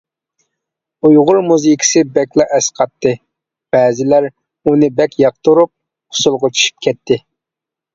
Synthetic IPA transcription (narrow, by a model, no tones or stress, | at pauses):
ujʁʊɾmuzijkʰʲi̥sɪbɛkʲlˠɑʔɛsqʰɑt̪ʰːɨ | b̥ɛːzɪlæɾ | unɨbɛkʲjɑq̚t̪uɾup̚ʰ | ʊ̥sulˠʁʊt͡ʃʰy̥ʃy̥p̚kʲʰɛt̪ʰːɪ